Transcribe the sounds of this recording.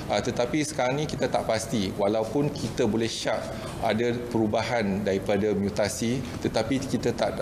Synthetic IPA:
at̪ət̪apisə̥kaɾaŋnĩkit̪at̪aʔpast̪iwalawpʊnkʰit̪abolɛhʃaʔ̚ | a̰dapəɾubaɦandaɾipadamjut̪asit̪ət̪apikit̪at̪aʔd

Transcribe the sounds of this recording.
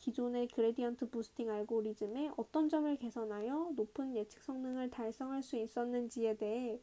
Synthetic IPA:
kid͡ʑonekɯɾediantʰɯposʰɯ̥tʰiŋaɭɡoɾid͡ʑɯme̞ʔʌt͈ʌnd͡ʑʌmɯɭke̞sʰʌnɦajʌnopʰɯnjet͡ɕʰɯ̥k̚s͈ʌŋnɯŋɯɭtaɭs͈ʌŋɦaɭs͈uis͈ʌnːɯnd͡ʑie̞de̞ɦe

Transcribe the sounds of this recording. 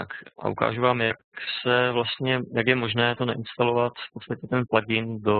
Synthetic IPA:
t̪akʔa̰ʔuka̰ːʒuvaːmjaksɛvlast̪ɲɛjakjɛmo̞ʒnɛːt̪o̞naʔɪnst̪alo̞vat̪fpo̞t̪st̪acɛt̪ɛnplaɟɪndo̞

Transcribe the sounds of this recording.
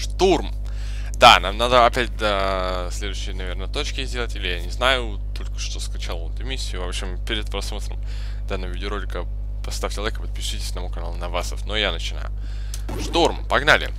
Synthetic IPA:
ʂt̪urm | d̪anamnad̪əɐpʲæt̚ʲd̪a | sʲlʲe̞d̪ʊɕːɪjənɐvʲe̞rnət̪o̞t͡ɕkʲɪzʲdʲe̞lˠətʲilʲɪjanʲɪznajʊ | t̪o̞lʲkə̥ʂt̪o̞skɐt͡ɕalˠo̰nt̪ʊmʲisʲːɪjʊvopɕɪmpʲɪɾʲɪt̪̚pɾɐsmot̪ɾə̰m | d̪anːəvəvʲɪdʲɪoɾo̞lʲɪkə | pɐst̪afʲt͡ɕʲɪlˠɐvʲekəpət̪̚pʲɪʂɨtʲɪ̥sʲnɐmukɐna̰lˠʊnɐvasəfnojanət͡ɕɪna̰jʊ | ʂt̪urmpɐɡnalʲɪ̰

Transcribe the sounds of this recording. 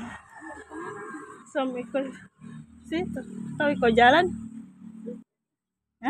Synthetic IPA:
sɔmiko | sit̪ɔt̪awikod͡ʒalan

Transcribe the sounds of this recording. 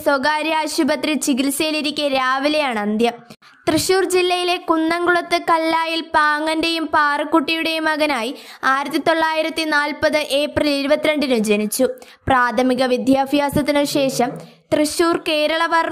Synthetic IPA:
soɡaːɾjaːɕubɐt̪rit͡ɕiɡilsɐjiliɾikʲːɐɾaːʋilɐjaːɳɨɐnd̪jɐ | t̪rɨɕuːrd͡ʑilːɐjile̞kunːɐŋɡuɭɐt̪ːɨkɐlːaːjilpaːŋːɐnde̞jumpaːrɨkːuʈːijuɽe̞jumɐɣɐnaːjiaːjiɾɐt̪ːit̪o̞ɭːaːjiɾɐt̪ːinaːlpɐðɨʔe̞ːpriliɾubɐt̪ːiɾeɳɖinɨmd͡ʑe̞nit͡ɕːu | praːt̪ʰɐmiɣɐʋid̪ʱjaːbʱjaːsɐt̪ːinɨɕe̞ːʂɐm | t̪rɨɕuːrke̞ːɾɐɭɐʋɐr

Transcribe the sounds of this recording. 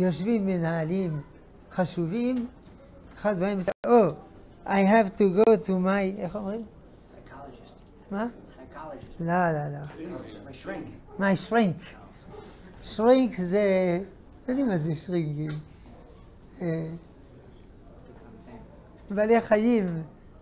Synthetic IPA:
joʃvimːenaalim | χaʃuvim | eχad̪maemsʔo | ʔajɦɛvtuɡotumajeχomʁim | ma | lalala | majʃʁiŋk | ʃʁiŋkze | nod̪imazeʃʁiŋkim | e | baleχajim

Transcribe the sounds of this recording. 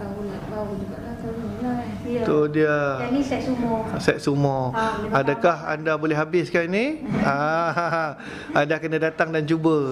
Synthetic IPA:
awʊnakawʊnd͡ʒuɡaʔlat̪ana | t̪odiəanisɛt̪sumɔsɛt̪̚sumɔadakaɦa̰ndabolɛɦabɪskanĩa | andakənə̃dat̪aŋdant͡ʃubə

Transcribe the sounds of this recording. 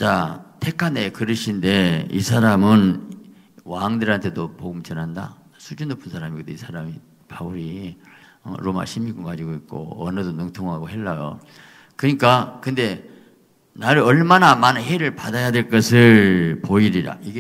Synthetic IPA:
t͡ɕatʰe̞kʰanekɯɾɯɕʰinde̞isʰaɾamɯn | waŋdɯɾantʰe̞dopoɡumt͡ɕʌnɦanda̰ | sʰud͡ʑunːopʰunsʰaɾamikɯdeisʰaɾami | pauɾi | ʌ̰ɾoma̰ɕʰimːiɡuŋɡad͡ʑiɡoik̚k͈o̰ʌ̰nɯdonuŋtʰoŋɦaɡoɦe̞ɭːajo̰ | kɯɲik͈akɯnde̞ | naɾɯʌɭmanamanɯnheɾɯɭpadajadwe̞ɭk͈ʌsʰɯɭpoiɾiɾa̰iɡe

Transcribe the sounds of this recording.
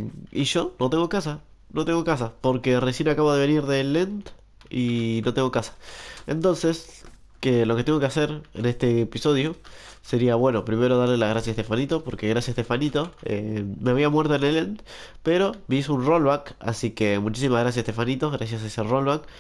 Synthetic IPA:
ḭʒo̞not̪e̞ŋɡo̞kasa | no̞t̪eŋɡo̞kas̬apo̞ɾke̞resje̞nakaβoðe̞βe̞niɾðelent̪ | inot̪e̞ŋɡokasḁḛ̃nt̪õ̞nse̞s | keloke̞t̪e̞ŋɡo̞kease̞ɾḛnest̪e̞piso̞ðjo̞se̞ɾiaβwe̞no̞pɾime̞ɾo̞ð̞aɾlelaɣɾasjasest̪e̞fanit̪o̞po̞ɾkeɣɾasjasest̪e̞fanit̪o̞ḛmeaβ̞iamweɾt̪oenelent̪̚ | pe̞ɾo̞bisunrolβaka̰sike̞mut͡ʃisimaɣɾas̬jasest̪efanit̪oɣɾas̬jasaeserolβak

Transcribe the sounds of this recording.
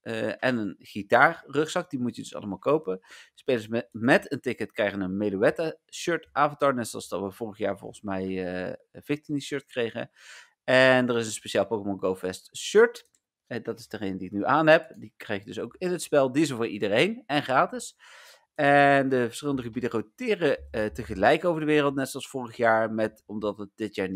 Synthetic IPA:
ʔəʔɛnənχitaːrrɵχsɑk̚dimutjədɵsɑ̰ləmaːlˠkowpənspejləsmɛtəntɪkətkrɛjχənənmeluɛtaʃøɹtʔaːvəntɑːɹnɛtsɔ̰lˠzd̥ɑ̰tʋəvʊːrəχjaːɹvɔ̰lˠχən̩smɛjəvɪk̚tiniʃøɹtkrejχə̰ | ɛndərɪs̬ənspeʃaːlˠpowkəmɔnɡowfɛstʃøɹt | dɑtɪzdəχejnədiɪk̚nyʔaːnɦɛpdikrɛjχjdɵsowkɪnətspɛlˠdizəvʊːɹʔidərejnɛnχraːtɪs | ɛndəvəɹsχɪlˠəndəχəbidərowtɪːrətəχəlɛjkowvəɹdəʋɪːrəlˠtnɛtsɑlˠsfʊːrəχjaːɹmɛtɔmdɑtət̚d̥ɪtjaːɹn

